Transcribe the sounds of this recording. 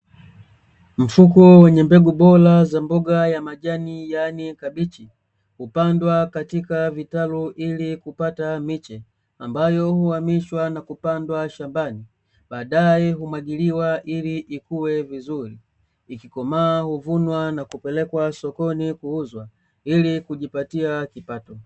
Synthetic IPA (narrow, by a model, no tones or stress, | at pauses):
m̩fukɔwɛɲɛmbɛɡuɓɔlazambɔɡajamaʄanijanikabit͡ʃi | hupandwakatikavitaluʔilikupatamit͡ʃɛ | ambajɔhuhamiʃwanakupandwaʃambani | baːdajɛɦumwaɡiliwaʔiliʔikuwɛvizuliː | kikɔmaːhuvunwanakupɛlɛkwasɔkɔnikuuzwa | ilikuʄipatiakipatɔ